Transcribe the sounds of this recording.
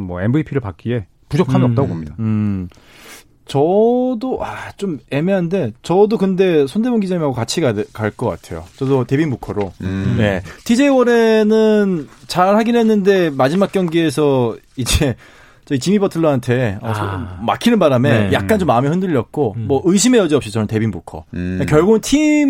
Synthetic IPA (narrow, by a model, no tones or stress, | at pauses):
wʌ̰enbɯipʰiɾɯɭpak͈ie̞ | pud͡ʑokʰamiʌp̚t͈aɡobomɲidaɯ | t͡ɕʌdoʔat͡ɕome̞meɦande̞t͡ɕʌdokɯnde̞s̬ʰonde̞boŋɡid͡ʑaimaɡokat͡ɕʰiɡakaɭk͈ʌk͈atʰe̞̰jo̰t͡ɕʌdote̞binmukʰʌɾoje̞tʰid͡ʑe̞iwʌɾe̞nɯnt͡ɕaɭhaɡinɦe̞nːɯnde̞mad͡ʑimak͈̚jʌŋɡie̞s̬ʰʌid͡ʑe | t͡ɕʌit͡ɕimibʌtʰɯɭːoɦantʰe̞ʌsʰmakʰinɯnbaɾame̞jak͈̚ant͡ɕomːaɯmihɯndɯʎːʌt̚k͈omʌʔɯɕ̬ʰime̞jʌd͡ʑiʌp̚ɕ͈it͡ɕʌnɯnte̞binbukʰʌ̰ekjʌɭɡoɯntʰim